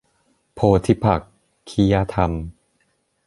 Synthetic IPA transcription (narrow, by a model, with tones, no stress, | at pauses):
pʰoː˧t̪ʰi˦˥pʰa˨˩kʰː | i˦ja˧t̪ʰa˧m